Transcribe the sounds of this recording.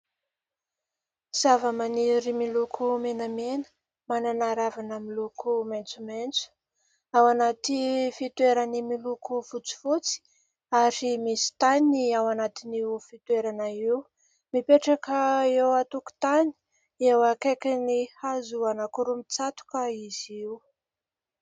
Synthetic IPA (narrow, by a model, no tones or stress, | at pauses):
z̥avəmaniɾimilukʰumenəmenə̥ | mananaɾavanəmilukʰument͡sument͡su̥ | awanat̪ifit̪weɾanimilukuvut͡si̥fut͡si̥ | aɾimisi̥t̪aniawanat̪inifit̪weɾanəiw | mipeʈ͡ʂakəewat̪uku̥t̪ani̥ | ewakekʲanihazuanakuɾumit͡sat̪u̥kəiz̥iw